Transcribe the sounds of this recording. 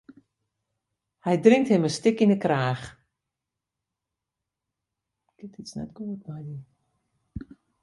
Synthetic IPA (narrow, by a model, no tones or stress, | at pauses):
hɛjdrɪŋthɪməstɪkinəkraːx | kɪtitsnɛ̰tɡ̥uətmajdi